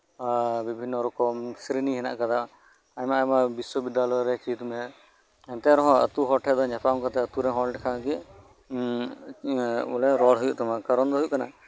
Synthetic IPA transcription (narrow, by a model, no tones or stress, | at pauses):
abibʱinːɔɾɔkɔmsɾiniɦɛna̰ʔkad̪a | ajmaajmabiswəbid̪ʱalɔɾɛkit̪umɛ | ɛnt̪ɛɾɔɦɔ̃ə̰t̪uɦɔʈʰɛd̪ɔɲapamkat̪ɛət̪uɾɛɦɔlɖkʰãɡi | ulɛɾɔɽɦujuʔt̪amakəɾɔnd̪ɔɦujuʔkana̰